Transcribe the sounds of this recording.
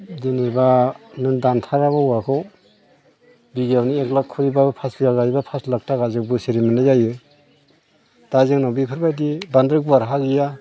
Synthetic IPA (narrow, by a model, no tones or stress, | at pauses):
dinibanɯndantʰaɾaβauakʰɔ | biɡjawnieklakʰuɾibabpʰasiɡaɡaibapʰaslak̚taɡazɯk̚bɯsiɾimɯnɯjajɯ | d̥azɯŋnawbipʰɯɾbajdibandɾɯk̚buaɾɦaɡija